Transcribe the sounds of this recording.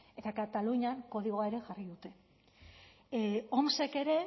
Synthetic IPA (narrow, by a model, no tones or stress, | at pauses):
e̞t̪akat̪aluɲaŋko̞ð̞iɣ̞o̞ae̞ɾe̞ʝariðut̪e̞ | omse̞ke̞ɾe̞